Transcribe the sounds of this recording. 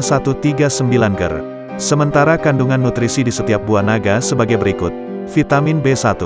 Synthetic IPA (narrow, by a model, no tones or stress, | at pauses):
sat̪ut̪iɡasəmbilanɡə̰r | səmənt̪aɾakanduŋanːut̪ɾisidisət̪iap̚buanaɡasəbaɡajbəɾikʊt̪̚ | fit̪amɪnbesat̪u